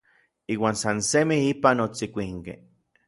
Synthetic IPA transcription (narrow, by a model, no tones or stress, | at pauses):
iːwaːnsansemihipanot͡sikʷiŋkḛ